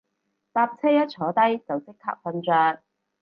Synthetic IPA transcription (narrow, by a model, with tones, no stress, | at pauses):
paː˧p̚t͡sʰɛː˥jɐ˥t̚t͡ʃʰɔː˨˥t̪ɐ˥jt͡sɐ˨wt͡sɪ˥kʰːa̰ː˧˥k̚fɐ˧nt͡ʃœː˧ŋ